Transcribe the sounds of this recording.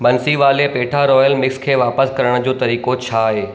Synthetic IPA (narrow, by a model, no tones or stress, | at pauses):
bɐnsiʋaːlepeːʈʰaɾɔːjəlmɪkskʰeːʋaːpəskɐɾəɽ̃d͡ʑoːt̪ɐɾiːkot͡ɕʰaːɦeː